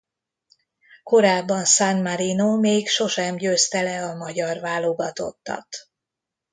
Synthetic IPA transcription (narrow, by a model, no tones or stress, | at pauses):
ko̞ɾaːbːɒnsanmaɾinoːmeːkʃo̞ʃɛmɟøːst̪ɛlɛɒmɒɟɒrvaːloɡɒt̪o̞̰t̪ːɒ̰t̪